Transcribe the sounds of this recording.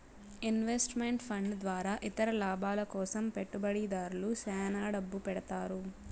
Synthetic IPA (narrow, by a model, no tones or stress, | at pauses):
inʋesʈmeɳʈpʰɐɳɖd̪ʋaːɾaːʔit̪ɐɾɐlaːbaːlɐkɔːsɐmpeʈːubɐɽid̪aːɾulusɛːnaːɖɐbːupɛɽɐt̪aːɾu